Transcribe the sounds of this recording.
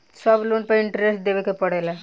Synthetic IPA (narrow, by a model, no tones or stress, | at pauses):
sabluɳpəiɳʈɾesʈ̚d̪eʋekepəɽajla